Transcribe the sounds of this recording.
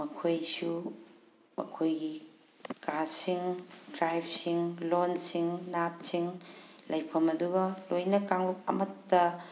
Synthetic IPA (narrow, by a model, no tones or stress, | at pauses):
mɐkʰojsu | mɐ̰kʰojɡi | kasiŋdɾajpʰsiŋlonsiŋnat̚siŋlɐjpʰɐmɐduɡɐlojnɐkaŋluk̚ɐ̰mɐtːɐ